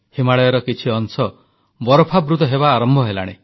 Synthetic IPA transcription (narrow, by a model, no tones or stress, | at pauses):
himaɭɔjɔɾɔkit͡ʃʰiɔnsɔ | bɔɾɔpʰabɾut̪ɔɦeβaːɾɔmbʱɔɦela̰ɽ̃e